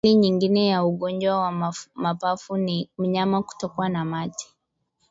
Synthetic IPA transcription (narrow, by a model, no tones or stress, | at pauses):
liɲiŋɡinɛjauɠɔɲd͡ʒwawamapafunim̩ɲamaku̥tɔkuwanamati̥